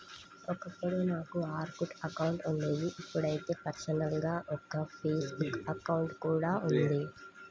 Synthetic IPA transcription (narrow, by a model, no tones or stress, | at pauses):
ɔkɐpːɐɽunaːkuaːɾkuʈɐkɐwuɳʈunɖeːj̪iʔipːuɽɐjt̪e̞ːpɐɾsɐnɐlɡaːʔɔkːɐpʰeːsbukɐkɐwuɳʈkuːɽaːund̪i